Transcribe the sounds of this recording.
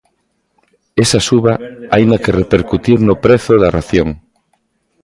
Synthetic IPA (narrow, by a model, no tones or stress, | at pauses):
esasuβɐaind̪ɐkerepeɾkut̪iɾnʊpɾeθʊðɐraθjoŋ